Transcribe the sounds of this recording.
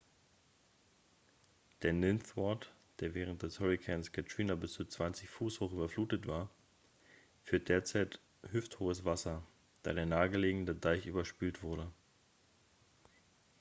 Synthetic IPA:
d̥eːɐnɪnθvɔt | d̥eːɐvɛːʁ̞ənt̚d̥ɛshɔʁikʰɛːnskʰatɹ̥iːnabɪst͡suːt͡sv̥ant͡sɪçfuːshoːχyːbɐfluːtətv̥aːɐ | fyːɐt̚d̥eːɐt͡saɪt | hʏfthoːəsv̥asɐ | d̥a̰ːɾeːɐnaːəɡəleːɡŋ̩dədaɪçʔyːbɐʃpiːltv̥ʊɐɾə

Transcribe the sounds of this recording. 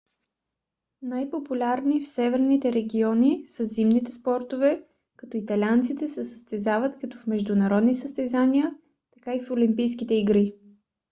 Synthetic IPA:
najpopulʲaɾnifsɛvɛɾnit̪ɛɾɛɡʲiɔnisəzimnit̪ɛspɔɾt̪ovɛ | kɐt̪ɔit̪ɐlʲiant̪sit̪ɛsɛsəst̪ɛzavət̪kɐt̪ɔfmɛʒd̪ʊnɐɾɔd̪nisəst̪ɛzaniə | t̪ɐkaifolimpijskit̪ɛiɡɾi

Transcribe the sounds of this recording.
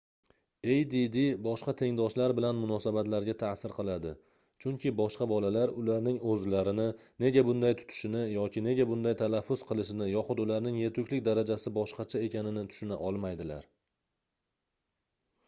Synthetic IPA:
e̞jd̪id̪ɪbɒʃqɑt̪ʰe̞ŋd̪ɒʃlaɾbɪlanmʊnɒsabat̪laɾɡʲat̪ʰasɪɾqʰɨlˠad̪ɪ | t͡ʃʰʊŋkʲʰɪbɒʃqɑbɒlalaɾʊlaɾnɪŋɵzlaɾɪnɪ | ne̞ɡʲabʊnd̪ajt̪ʰʊ̥t̪ʰɪ̥ʃɪnɪjɒkʲɪne̞ɡʲabʊnd̪ajt̪ʰalafːʊzqɨlˠɪʃɪnɪjɒχʊd̪ʊlaɾnɪŋjet̪ʊkʲlɪkʲd̪aɾad͡ʒasɪbɒʃqɑt͡ʃʰae̞kʲʰanɪnɪt̪ʰʊ̥ʃʊna̰ʔɒlˠmajd̪ɪla̰ɾ

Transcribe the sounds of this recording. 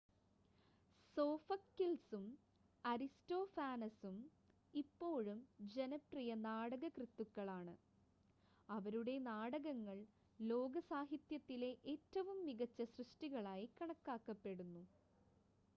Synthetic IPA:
so̞ːfɐkːilsum | ɐɾisto̞ːfaːnɐsum | ipːo̞ːɻumd͡ʑenɐprijɐnaːɽɐɣɐkrɨt̪ːukːɐɭaːɳɨ | ɐʋɐɾuɽe̞naːɽɐɣɐŋːɐɭ | lo̞ːɡɐsaːɦit̪jɐt̪ːile̞ʔeːtːɐʋumːiɣɐt͡ɕːɐɕrɨʂʈiɣɐɭaːjikɐɳɐkːaːkːɐpːe̞ɽunːu

